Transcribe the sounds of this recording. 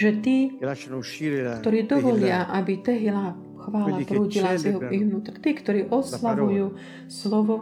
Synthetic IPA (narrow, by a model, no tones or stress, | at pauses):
ʒɛt̪iː | kt̪ɔɾiːd̪ɔʋɔlɪaʔabit̪əɦila | xʋaːlapɾuːcilasɛɦiɣʋnuːt̪rt̪iːkt̪ɔɾiːʔɔslaʋujuː | slɔʋɔ